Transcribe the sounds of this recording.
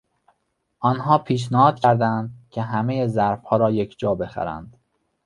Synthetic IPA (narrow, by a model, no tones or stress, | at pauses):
ʔɒːnɦɒːpʰiːʃ̬næhɒːd̪̥̚cʲʰæɾd̪ænd̪cʲʰe̞ɦæme̞jezæɾfhɒːɾɒːje̞cʰd͡ʒɒːbe̞xæ̰ɾæ̰nd̪̥